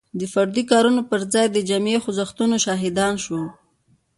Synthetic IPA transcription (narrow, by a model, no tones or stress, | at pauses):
d̪əfaɾd̪ikɑɾunopəɾd͡zɑjd̪əd͡ʒamexʊzaxt̪unoʃɑɦɪd̪ɑnʃwəl